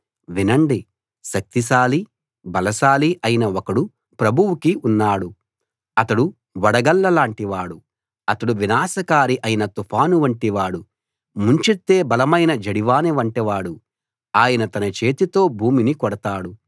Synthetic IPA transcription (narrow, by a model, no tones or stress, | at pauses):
ʋinɐɳɖi | ʃɐk̚t̪iʃaːli | bɐlɐʃaːliʔɐjinɐɔkɐɽu | pɾɐbʱuwukiunːaːɽu | ɐt̪ɐɽu | ʋɐɽɐɡɐlːɐlaːɳʈiʋaːɽu | ɐt̪ɐɽuʋinaːsɐkaːɾiʔɐjinɐt̪upʰaːnuʋɐɳʈiʋaːɽu | muɲt͡ʃet̪ːe̞ːbɐlɐmɐjnɐd͡ʒɐɽiʋaːniʋɐɳʈiʋaːɽu | aːjɐnɐt̪ɐnɐt͡ʃeːt̪it̪o̞ːbʱuːminikɔɽɐt̪aːɽu